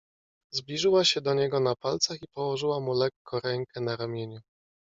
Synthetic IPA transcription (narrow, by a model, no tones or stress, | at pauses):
zblʲiʐɘwaɕɛd̪ɔɲɛɡɔnapalt̪saxipɔwɔʐɘwamulɛkːɔ̃ɾɛŋkɛnaɾamʲjeɲu